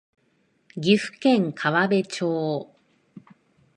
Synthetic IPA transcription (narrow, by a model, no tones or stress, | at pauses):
ɡʲiɸɯ̟̥kẽ̞ŋkʰaβabe̞t͡ɕoː